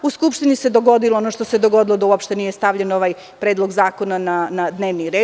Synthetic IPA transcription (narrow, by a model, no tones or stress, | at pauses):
uskupʃt̪inised̪oɡod̪iloonoʂt̪osed̪oɡo̞d̪ilod̪auopʃt̪e̞nije̞st̪aʋʎenoʋaj | pɾeːd̪lˠo̞ɡzaːko̞nananad̪neːʋniɾeː